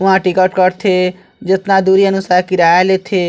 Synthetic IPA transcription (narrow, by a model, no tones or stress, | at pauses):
ãʈikəʈkəɾt̪ʰe | d͡ʒət̪nad̪uɾiənʊsaːkiɾaːalet̪ʰe